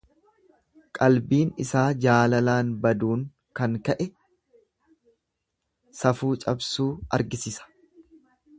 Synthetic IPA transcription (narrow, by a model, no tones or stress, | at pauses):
kʼɐlbiːnɪsaːd͡ʒaːlɐlaːnbɐd̪uːŋ | kɐŋkɐʔɛ | sɐfuːt͡ʃʼɐbsuːɐ̰ɾɡɪsɪsɐ̥